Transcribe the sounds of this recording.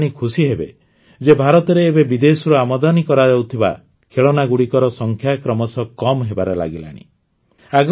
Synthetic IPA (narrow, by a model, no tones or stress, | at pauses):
ɽ̃ikʰusiɦebe | d͡ʒebʱaɾɔt̪ɔɾeːbebid̪esɔɾɔamɔd̪ɔnikɔɾad͡ʒawt̪ʰiba̰ | kʰeɭɔnaɡuɽikɔɾɔsɔŋkʰjakɾɔmɔsɔkɔmɦebaɾela̰ɡila̰ɽ̃ḭ | aɡ